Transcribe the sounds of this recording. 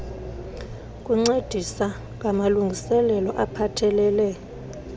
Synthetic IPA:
kʼuŋ͡ǀed̥ʱisa | k̬ʼamaluŋɡʱisɛlɛlɔʔapʰatʰɛlɛːlɛ

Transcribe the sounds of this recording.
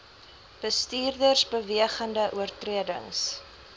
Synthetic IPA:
b̥əstiːrdərsbəviəχəndəʔuərtriədə̰ŋs

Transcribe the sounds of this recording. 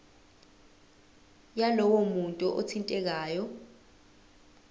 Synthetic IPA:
jalɔwomuntʼuʔo̰tʰintʼɛk̬aːjɔ

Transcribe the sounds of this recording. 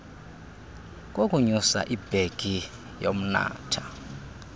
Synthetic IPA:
k̬ʼokʼuɲusa̰ʔib̥ʱeɡ̥ʱi | jom̩na̰ːtʰḁ

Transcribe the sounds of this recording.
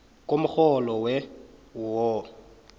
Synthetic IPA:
kʼomʊk͡xɔlɔwɛwʊwɔ

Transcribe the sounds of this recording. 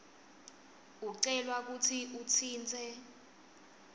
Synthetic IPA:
uǀɛlwak̬ut͡sʰiʔut͡sʰiːnt͡sʰʼɛ

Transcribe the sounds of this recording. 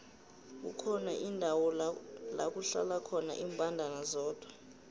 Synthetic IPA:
k̬ṵkʰɔnaʔindʱawɔla̰k̬uɬa̰lakʰɔna̰ʔiːmbʱandʱanazɔːd̥ʱwa

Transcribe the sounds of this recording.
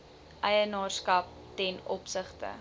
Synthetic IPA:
ʔɛjənɑːrskɐp̚ | tɛnɔpsəχtə̰

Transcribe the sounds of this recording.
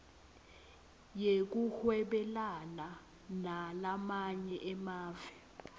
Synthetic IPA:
jek̬uhwɛɓɛlana | nalamaɲɛʔɛmaːvɛ

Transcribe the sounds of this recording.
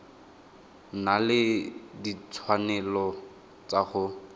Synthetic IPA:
nalɪdit͡sʰwanɛlɔ | t͡saχʊ

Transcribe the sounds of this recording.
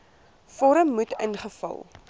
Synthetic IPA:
fɔɾəmːutə̰nχəfɐ̰lˠ

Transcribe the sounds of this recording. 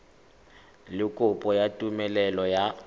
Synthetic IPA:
lɪkʼʊpʼɔjatʼumɛlɛlɔja

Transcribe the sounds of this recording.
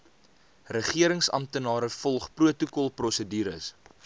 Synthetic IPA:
rəχiəɾəŋsɐ̰mtənɑːɾəfɔlˠχpruətukɔlˠprɔsədiːɾəs

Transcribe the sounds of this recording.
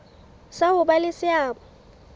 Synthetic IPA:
saʊbalɪsɪaːbɔ

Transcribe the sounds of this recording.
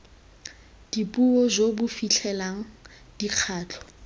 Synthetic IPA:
d̥ipʼuɔzobʊfiɬʰɛlaŋ̩ | d̥iq͡χʰaːt͡ɬʰʼɔ̥

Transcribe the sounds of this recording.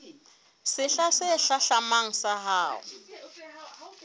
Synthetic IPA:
sɪɬasɪɬaɬamaŋ̩saɦaːʊ̰

